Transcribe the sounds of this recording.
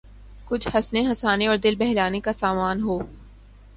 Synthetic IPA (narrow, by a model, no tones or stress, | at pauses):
kʊt͡ʃʰhɐsneɦɐsaːneɔːɾd̪ɪlbɛɦlaːnekasaːmaːnɦoː